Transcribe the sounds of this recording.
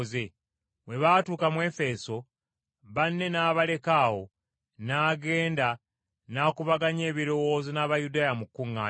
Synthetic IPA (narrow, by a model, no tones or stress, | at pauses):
ze | we̞βaːtuːkamwe̞ːfe̞so̞ | βanːe̞naːβale̞kaːwo̞ | naːɡe̞ːnda | naːkuβaɡaɲe̞ːβiɾo̞wo̞ːzonaβajudaːjamukːuŋːaː